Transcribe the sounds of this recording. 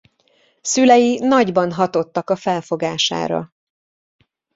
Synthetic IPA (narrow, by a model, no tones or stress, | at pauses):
sylɛjinɒɟbɒnɦɒt̪o̞t̪ːɒkɒfɛlfo̞ɡaːʃa̰ːɾɒ̰